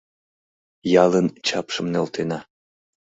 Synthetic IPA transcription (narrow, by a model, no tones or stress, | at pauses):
jɑlənt͡ɕɑpʃəmnelt̪enɑ